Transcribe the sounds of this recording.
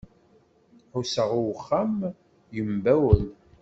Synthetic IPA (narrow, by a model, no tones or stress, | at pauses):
ħusəʁʊwχːæm | jəmbæwəl